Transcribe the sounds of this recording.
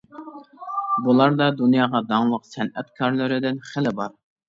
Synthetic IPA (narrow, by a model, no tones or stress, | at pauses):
bulˠɑɾd̪ɑd̪unjɑːʁɑd̪ɑŋlˠəqsɛnɛt̪kʰɑɾlˠɨɾɪd̪ɪnχɪlɪbɑɾ